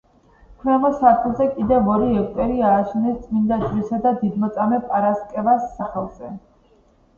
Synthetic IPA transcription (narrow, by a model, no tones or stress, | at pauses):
kʰvɛmɔsaɾt̪ʰlˠzɛkʼid̪ɛvɔɾiɛk̚ʰt̪ʼɛɾiaːʃɛnɛst̪sʼmind̪ad͡ʒɾisad̪ad̪id̪mɔt̪sʼamɛpʼaɾaskʼɛvasːaχɛlˠz̥ɛ